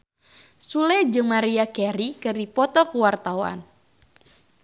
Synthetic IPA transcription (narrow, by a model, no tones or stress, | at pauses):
sulɛd͡ʒɨŋmaɾiakɛɾikɨrdipɔt̪ɔkuwart̪awa̰n